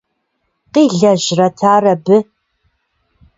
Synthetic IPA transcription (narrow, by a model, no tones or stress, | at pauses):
qiːɮɐʑrɐtʰaːrɐbɨ